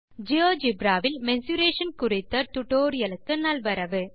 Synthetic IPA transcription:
d͡ʒɪjoːd͡ʒɪbɾaːʋɪlmɛnsuɾeːʂɐnkʊrɪt̪ːɐt̪ʊʈoːɾɪjɐlɯkːɯnɐlʋɐɾɐʋɯ

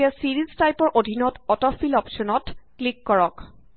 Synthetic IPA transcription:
asiɹiztajpɔɹʔodʱinɔtɔtɔfilɔpsɔnɔtklikːɔɹɔk

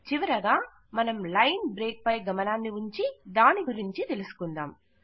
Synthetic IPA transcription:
t͡ʃiʋɐɾɐɡaː | mɐnɐmlɐjnbɾe̞ːk̚pɐjɡɐmɐnaːnːiuɲt͡ʃid̪aːniɡuɾiɲt͡ʃit̪e̞lusu̥kund̪aːm

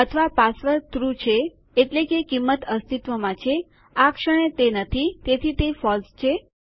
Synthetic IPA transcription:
ət̪ʰəʋapasʋəɾt̪ɾut͡ʃʰeː | ʈlekekimːət̪əst̪it̪ʋəmãt͡ʃʰe | akʃəɽ̃et̪enət̪ʰit̪et̪ʰit̪efɔlst͡ʃʰe

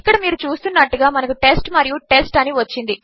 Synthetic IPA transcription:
ikːɐɽɐmiːɾut͡ʃuːst̪unːɐʈːuɡaːmɐnɐkuʈe̞sʈmɐɾijuʈe̞sʈɐniʋɐt͡ʃːind̪i

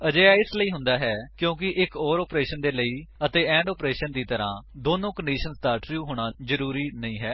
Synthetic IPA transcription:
əd͡ʒeːaːɪsləiːɦʊ̃nd̪aːɦɛːkjõːk̬ɪʔɪkɔːɾɔːpɾeːʃənd̪eːləiːət̪eːɛ̃ːɳɖɔːpɾeːʃənd̪iːt̪əɾã̰ːd̪oːnõːkəɳɖiːʃənsd̪aːʈɾjuːɦoːɽ̃aːzəɾuːɾiːnəĩːɦɛː

